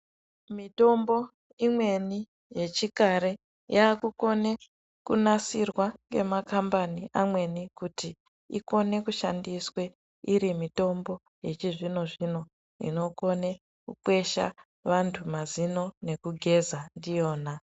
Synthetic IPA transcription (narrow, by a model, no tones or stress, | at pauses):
mito̞mbo̞ | imwe̞ni | je̞t͡ʃikaɾe̞ | jaːkuko̞ne̞ | kunasirwaŋɡe̞̰makambaniʔamwe̞nikuti | ḭko̞ne̞kuʃa̰ndiswe̞ | iɾimito̞mbo̞ | je̞t͡ʃiʐino̞ʐino̞ | ḭno̞ko̞ne̞ | kukwe̞ʃa̰ | ʋantʰumazino̞ne̞kuɡʱe̞zandijo̞ːna